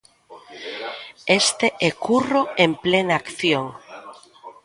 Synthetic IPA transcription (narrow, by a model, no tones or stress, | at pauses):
est̪eʔekuroemplenaakθjoŋ